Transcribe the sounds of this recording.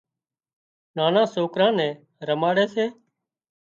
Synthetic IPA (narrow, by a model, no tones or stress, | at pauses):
naːnãːsoːkɾãːnɛ̃ː | ɾəmaːɽɛːseː